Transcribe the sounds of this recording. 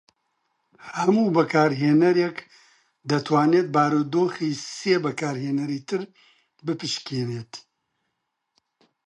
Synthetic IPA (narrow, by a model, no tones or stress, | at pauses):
hɐmuːbɐkʰaːɾɦeːnɐɾek | d̪ɐt̪ʰwaːneːt̪̚baːɾoːd̪oːxiːseːbɐkʰaːɾɦeːnɐɾiːt̪ɨɾ | bɨpɨʃkʰeːneːt̪